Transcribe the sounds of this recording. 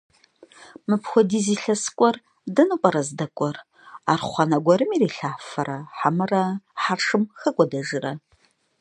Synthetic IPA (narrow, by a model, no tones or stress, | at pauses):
mɨpxʷɔdiːziːɬɐskʷʼɔr | dɐnɨqʷʼɔɾɐzdɐkʷʼɔr | aːrχʷɑnɐɡʷɔɾɨmiːriːɬaːfɐɾɐħamɨrɐħarʂɨmxɐkʷʼɔdɐʒɪrɐ